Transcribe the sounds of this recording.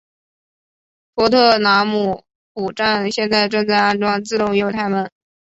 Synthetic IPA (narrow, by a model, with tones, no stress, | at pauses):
pʰwɔ˧˥t̪ʰɤ˥˩na˧˥mu˨˩ | pu˨˩ʈ͡ʂa˥˧nɕjɛ˥˧nt͡sa˥˧ɪʈ͡ʂɤ˥˧ŋt͡sa˥˧ɪa˥˧nʈ͡ʂwɑ˥ŋt͡sɹ̩˥˧ɾʊ˥˧ŋjo˥˧ʊt̪ʰa˥˩ɪmə˨˩˦n